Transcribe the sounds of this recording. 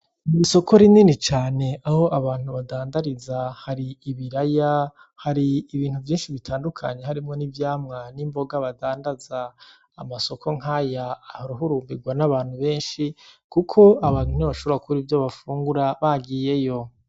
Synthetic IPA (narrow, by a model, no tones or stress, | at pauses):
iiso̞kʰo̞ɾininit͡ʃaːne̞ʔaho̞ʔaβaːn̥huβadaːndaɾizahaɾiːβiɾaja | haɾiːβiːn̥huvjiːnʃiβitʰaːndukʰa̰ɲe̞ɦaɾimŋo̞nivjaːmŋanimbo̞ɡaβadaːndazaː | maso̞kʰo̞ŋ̥hajaːhoɾuɦuɾuːmbiɡwanaβaːn̥huβe̞ːnʃikukʰo̞aβaːnhuniβaʃoβoakʰuɾivjoβafuːŋɡuɾaβaɡiːje̞jo̞